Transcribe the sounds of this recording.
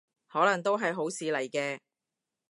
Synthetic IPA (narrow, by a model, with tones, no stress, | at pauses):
hɔː˨˥lɐ˨˩ŋt̪o˥wɦɐ˨jɦo˨˥wsiː˨˧lɐ˨˩jkɛː˧